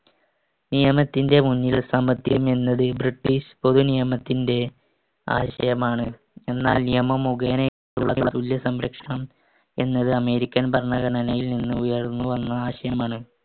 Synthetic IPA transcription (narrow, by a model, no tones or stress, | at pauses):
nijɐmɐt̪ːinde̞muɲːilsɐmɐt̪jɐme̞nːɐðɨbriʈːiɕpo̞ðunijɐmɐt̪ːinde̞ | a̰ːɕɐ̰jɐmaːɳɨ | e̞nːaːlnijɐmɐmuɡɐɐne | uɭːɐ̰ɭːɐt̪uljɐsɐmɾɐkʂɐɳɐm | e̞nːɐðɨɐme̞ːɾikʲːɐnbɐrɳɐɡɐɳɐnɐjilninːɨujɐrnːuʋɐnːɐaːɕɐjɐmaːɳɨ